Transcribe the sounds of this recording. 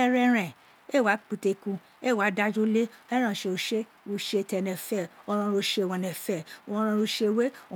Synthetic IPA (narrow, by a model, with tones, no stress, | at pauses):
ɛ˧ɾɛ̃˧ɾ̃ɛ̃˨ | e˦˨wa˨˦k͡pu˧˨te˧kũ˧ | e˦˨wa˨˦da˦d͡ʒo˦le˦ɛ˦ɾ̃ã˨ʃe˧o˧ʃe˦ | o˧ʃe˧tɛ˧nɛ̃˨fɛ˦˨ɔ˧ɾ̃ã˧ɾo˧ʃe˧˦˨wɔ̃˧nɛ̃˨fɛ˦˨wɔ̃˧ɾ̃ã˧ɾo˧ʃe˧we˦o˨